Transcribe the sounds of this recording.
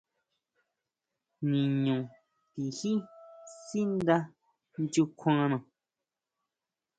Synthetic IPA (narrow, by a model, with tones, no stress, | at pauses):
nĩ˨ɲũ˨ | pi˨hi˦si˦n˦d̪a˧ | n˦d͡ʒu˧kʰwãː˧˦nã˨